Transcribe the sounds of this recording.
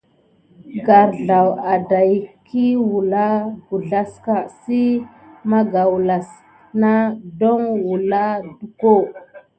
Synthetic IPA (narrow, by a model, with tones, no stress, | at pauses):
ɡa˨ɾɮa˨wa˨da˨jkʰi˦wu˨la˦ɡu˨ɮa˦ska˨si˦ | ma˦ɡa˨wu˨la˨s | na˦do˦ŋwu˨la˦du˨ko˦˨